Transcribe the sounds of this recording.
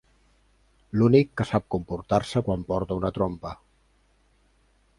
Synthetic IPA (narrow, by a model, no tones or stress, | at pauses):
lunikːəsap̚kumpuɾt̪aɾsəkwampɔɾt̪əunət̪ɾompə